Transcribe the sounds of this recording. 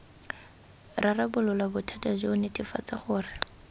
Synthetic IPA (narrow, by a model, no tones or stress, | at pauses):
rarabʊlʊlabʊtʰatazoʊnetʼɪfa̰t͡saχʊːrɪ